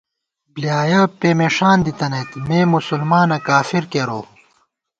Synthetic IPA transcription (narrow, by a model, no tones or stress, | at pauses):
blijaːjɐːpeːmeʂaːnd̪it̪ɐnɐt̪meːmusulmaːnɐkaːfiɾkeːɾoː